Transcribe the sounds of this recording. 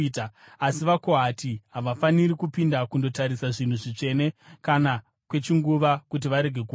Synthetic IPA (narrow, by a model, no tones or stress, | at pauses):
taː | siʋako̞ɦatiɦaʋafaniɾikupindakundo̞taɾisaʐin̤uʐit͡ʂe̞ne̞kana | kwe̞t͡ʃiŋɡuʋakut̬iʋaɾe̞ɡʱe̞ku